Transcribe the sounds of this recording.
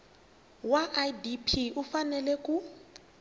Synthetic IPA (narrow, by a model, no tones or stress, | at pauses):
waʔadipʰiufanɛlɛkʼu